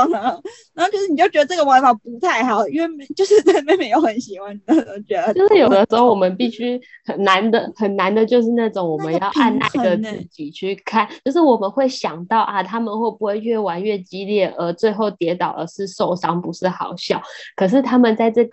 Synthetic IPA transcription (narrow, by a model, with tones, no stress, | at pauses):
n˨˧˥t͡ɕʰo˧˥ʂ̩˥˩ni˨˩t͡ɕo˥˩ʊt͡ɕɥɛ˧˥d̪ə˧ʈ͡ʂɡə˩wa˧˥fɑ˨˩pu˧˥t̪ʰa˥˩ɪxɑ˨˩˦ʊi˥we˥˩ɪm˧˥t͡ɕjo˥˧ʊʂɻ̩˥˩ə˥me˧˥ɪme˧ɪjo˧˥ʊxə˧˥nɕi˨˩xwa˧˦nni˨˩o˥˩ʊo˥ʊt͡ɕɥɛ˧˥d̪ə˧ʈ͡ʂə˥ʂ̩˥˩jo˨˩ʊd̪ə˦ʂɻ̩˧˥xo˥˩wɔ˨˩mə˦npi˥˩ɕy˥xə˨˩nna˧˥nd̪ə˨xə˨˩nna˧˥nd̪ə˨t͡ɕjo˥˧ʊʂ̬ɻ̩˥˧na˥˩ʈ͡ʂʊ˨˦ŋwɔ˨˩mə˦njɑ˥˧ʊʔa˥˩nna̰˧˥˧ɡə˧t͡s̪̩ʰ˧˥t͡ɕi˧˥t͡ɕʰy˥˧kʰa˥˩nt͡ɕjo˥˧ʊʂ̬ɻ̩˥˩wɔ˨˩mə˨˦nxwe˥˩ɪɕjɑ˨˩ŋt̪ɑ˥˩ʊʔa˨˩t̪ʰa˥mə˨nxwe˥˩ɪpu˧˥xwe˥˧ɪɥɛ˥˩wa˧˥nɥɛ˥˩t͡ɕi˥ljɛ˥˩ʔə˧˥t͡swe˥˧ɪxo˥˩ʊt̪jɛ˧˥t̪ɑ˨˩ʊd̪ə˦ʂɻ̩˥˧ʂo˥˩ʊʂɑ˥ŋpu˧˥ʂɻ̩˥˩xɑ˨˩ʊɕjɑ˥˩ʊkʰɤ˨˩ʂ̬ɻ̩˥˧t̪ʰa˥mə˨nt͡sa˥˧ɪʈ͡ʂɤ˥˩ɡ